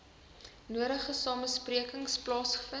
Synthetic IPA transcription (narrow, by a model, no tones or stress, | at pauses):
nuəɾəχəsɑːməspriəkəŋsplɑːsχə̥fə